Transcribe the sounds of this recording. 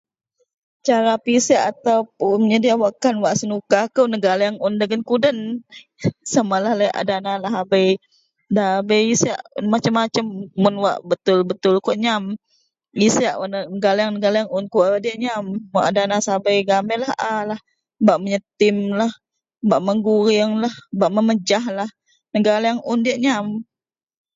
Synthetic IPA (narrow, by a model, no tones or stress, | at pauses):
t͡ʃaɾapisaʔat̪awpʊməɲadiawaʔkanwaʔsənukahkəwnəɡalaaŋʊndəɡənkudən | samalahləjʔa̰danalaɦabəj | dabəjisiaʔmat͡ʃəmːat͡ʃəmːʊnwa̰ʔbət̪ʊlbət̪ʊlkɔʔɲam | isiaʔwaʔnnəɡalajaŋnəɡalajaŋʊnkuʔdiəʔɲamːoʔadanasabəjɡamɛlahʔalah | baʔməɲət̪ɪmlah | baʔməŋɡuɾɪŋlahbaʔməməd͡ʒaɦlah | nəɡalaaŋʔʊndiəʔɲam